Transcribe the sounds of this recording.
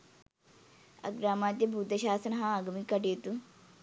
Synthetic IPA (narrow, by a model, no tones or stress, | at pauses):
ɐ̰ɡɾaːmaːt̪̬jebʱud̪ʱəɕaːsənɦãɐɡmikəʈeːt̪u